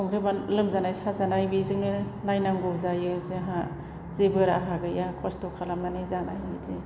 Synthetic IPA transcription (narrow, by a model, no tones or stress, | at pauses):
ɔŋɾɯbanlɯmzanajsazanajbizɯŋnɯlajnamɡɔzajɯzeɦa | zebɯɾaɦaɡɯjakʰɔstɔkʰalamanɯzanajɯdi